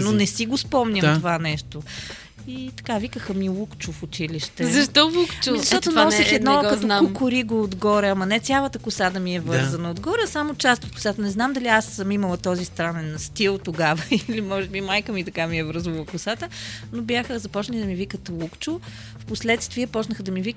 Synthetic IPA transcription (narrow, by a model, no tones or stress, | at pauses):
nonɛsiɡospɔmɲʲət̪ovanɛʃt̪o | it̪ɐ̥kavikəxəmilˠukt͡ʃʊfʊt͡ʃiliʃt̪ɛzɐʃt̪ɔlˠukt͡ʃzɐʃt̪ɔt̪nasiɛd̪nɔkɐt̪okokʊɾiɡoːd̪ɡɔɾɛɐmɐnɛt̪sʲjalˠət̪əkʊsad̪ɐmiɛvɤɾzɐnəod̪ɡɔɾɛsamot͡ʃast̪ot̪kʊ̥sat̪ənɛznamd̪ɐliasəmimɐlˠət̪ɔzist̪ɾanɛnst̪ilˠt̪oɡavəilimɔʒɛbimajkəmit̪ɐkamiɛvɾzvɐlˠəkʊsat̪ənobjaxəzɐpɔt͡ʃnənid̪ɐmivikət̪lˠukt͡ʃʊ | fposlɛt̪st̪viəpɔt͡ʃnəxəd̪ɐmivik